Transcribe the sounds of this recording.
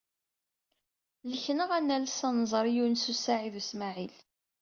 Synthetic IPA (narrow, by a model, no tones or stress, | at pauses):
ləçnəʁænːælsɑnzˤəɾˤijunsusaʕiðusmaʕil